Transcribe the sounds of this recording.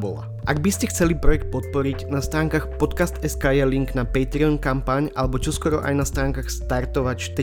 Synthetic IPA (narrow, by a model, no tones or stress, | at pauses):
bɔ̰la̰ | ʔaɡbiscɛxt͡sɛlipɾɔjɛk̚t̪̚pɔt̪̚pɔɾiɟnast̪ɾaːŋkaxpɔt̪kast̪ɛskaːjaliŋɡnapɛjt̪ɾiɔnkampaɲalɛbɔt͡ʃɔskɔɾɔʔa̰jnast̪ɾaːŋkaxst̪aɾt̪ɔʋacft̪ɛ